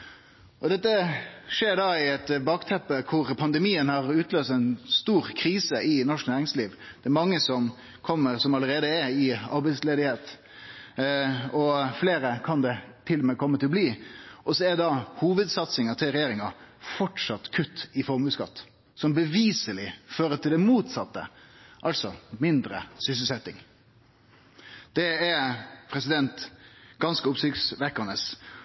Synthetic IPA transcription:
ʔɔd̪ɛt̪ːəʂeːɾɖɑɪɛt̪bɑːkt̪ʰɛpːəkʰʊɾpʰɑnd̪əmiːənhɑʁʉːt̪løːst̪ɛɪnst̪uːɾkʰɾiːsəʔɪnɔʂknæːɾɪŋsliːʋ | d̪̥ɛæɾmɑŋːəsɔm | kʰɔmːəɾsɔmɑləɾeːd̪əɛɪɑ̰ɾbæɪsleːd̪ɪheːt̪ | ɔfleːɾəkʰɑnd̪ɛt̪ʰɪlmɛkʰɔmːət̪ʰɪlɔbliːʔɔsɔɛd̪ɑhuːʋəd̪sɑt̪sɪŋɑt̪ʰɪlɾɛjeːɾɪŋɑfɔʈʂɑt̪kʰʉt̪ːɪfɔɾmʉːt̪skɑ̰t̪ː | sɔmbəʋiːsəlɪføːɾət̪ʰɪld̪ɛmuːt̪sɑt̪ːə̰ʔɑlsɔmɪnd̪ɾə̰sʏsəlsɛt̪ːɪŋ | d̪̥ɛɛɾpʰɾɛsɪd̪ɛnt̪ɡ̥ɑnskəʊpsɪksʋɛkːənəs

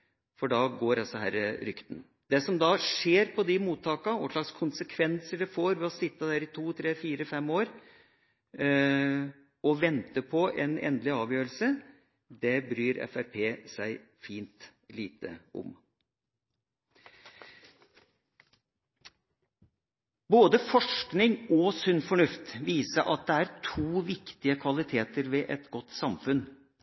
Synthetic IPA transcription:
fɔɖɑɡoːɾɑsɔɦæ̰ɾəɾʏkt̪n | d̪ɛsɔmd̪ɑʂeːɾpʰɔd̪ɪmuːt̪ʰːɑːkɑʋɔ̰ʂlɑɡskʰʊnsəkʰʋɛnsəɖɛfoːɾʋɛɔsɪt̪ːəd̪æːɾɪt̪ʰuːt̪ʰɾeːfiːɾəfɛmːoːɾ | ɔʋɛnt̪əpʰɔʔɛnɛ̰nd̪lɪɑːʋjøːɾəl̩sə | d̪ɛbɾyːɾɛ̰fæɾpʰeːsæɪfiːnt̪liːt̪ə̰ɔ̰m | boːd̪əfɔʂknɪŋɔsʉnfɔɳʉft̪ʋiːsəʔɑt̪̚d̪ɛæɾt̪ʰuːʋɪkt̪ɪəkʰʋɑlɪt̪ʰeːt̪əɾʋɛʔɛt̪ɡɔt̪ːsɑmfʉn

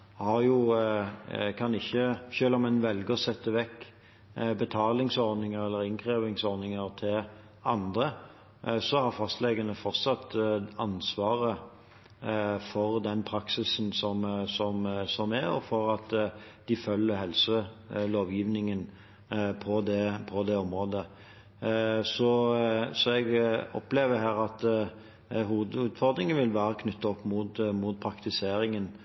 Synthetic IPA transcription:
hɑʁjʊ | kʰɑnɪçːəʃøːlɑmɛnʋɛlɡəɔsɛt̪ːəʋɛkː | bət̪ʰɑːlɪŋsɔɾd̪nɪŋəɾɛlːəɾɪŋkʰʁeːʋɪŋsɔʁnɪŋəʁt̪ʰɪl | ɑnd̪ə | sɔhɑʁfɑst̪lɛɡənəfɔʁt̪sɑt̪ːɑnsʋɑːʁə | fɔʁd̪ɛnpʰɾɑksɪsnsɔmsɔmsɔmɛɔ̰fɔɾɑt̪ | d̪̥ɪfœlːəɾɦɛlsəloːʋjiːʋnɪŋən | pʰɔd̪ɛpʰɔd̪ɛɔmʁoːd̪ə | sɔsɔɛɡɔ̰pleːʋəɦæːɾɑt̪ | ɦuːʋəd̪ʉːd̪fɔʁd̪ɾɪŋənʋɪlʋæːɾəkʰnʏt̪ːɑɔpːmʊt̪mʊt̪̚pʰɾɑkt̪ɪseːɾɪŋən

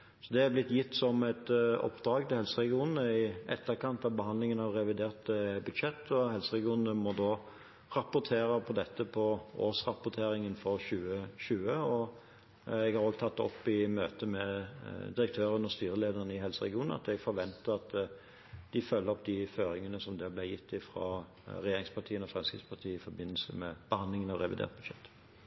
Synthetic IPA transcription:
sɔd̪ɛæblɪt̪ːjɪt̪ːsɔmæɪt̪ɔ̰pːd̪ɾɑːɡt̪ɪlhɛlsəɾɛɡɪuːnn̩əɪʔɛ̰t̪ːəɾkɑnt̪ɑʋbəɦhɑnd̪lɪŋənɑʋɾɛʋɪd̪eːʁt̪əbʉd̪ʃɛt̪ːɔhɛlsəʁɛɡɪuːnnəmɔd̪oː | ʁɑpʊɾt̪ʰeːɾəpʰɔd̪ɛt̪ːəpʰɔʔo̰ːsʁɑpʊt̪ʰeːɾɪŋənfɔʁɕʉːəɕʉːəɔ | ɛɡhɑɾoːɡt̪ʰɑt̪ːɔ̰pːɪmøːt̪əmɛd̪ɪɾəkt̪ʰøːɾənɔst̪yːɾəleːd̪əɾənəɪɦɛlsəɾɛ̰ɡɪuːnn̩ɑ̰t̪ɛɡfɔɾʋɛnt̪əʁɑt̪ | d̪̥ɪfœlːəɾɔp̚d̪ɪføːɾɪŋənəsɔmd̪ɛblɛjɪt̪ːɪfɾɑ̰ː | ɾɛjeːɾɪŋspɑʁʈ̪ʰiːənɔfʁɛmskʁɪtspʰɑt̪ʰiːəɪfɔɾbɪnːəl̩sə̰mɛb̥əhɑnd̪lɪŋənɑʋʁɛʋɪd̪ḛːʁt̪̚bʉd̪ʃɛ̰t̪ː

